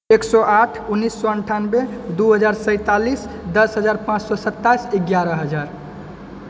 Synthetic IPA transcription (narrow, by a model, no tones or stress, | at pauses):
eksɔʔaʈʰunːisːɔəɳʈʰanbed̪uɦəd͡ʒaɾsə̃ɪ̃t̪alisd̪əsɦəd͡ʒaɾpãt͡ʃsɔsət̪ːaiseɡjaɾəɦəd͡ʒaɾ